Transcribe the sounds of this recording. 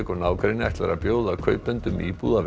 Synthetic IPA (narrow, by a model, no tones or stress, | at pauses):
kɔɾnaːwkʰɾejnɪajht̪laɾa̰pjoːwðakʰœɥpʏnt̪ʏmiːpuða